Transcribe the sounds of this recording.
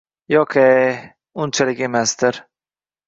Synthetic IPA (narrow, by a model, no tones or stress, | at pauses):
jɒkʰe | ʊnt͡ʃʰalɪkʲe̞masd̪ɪɾ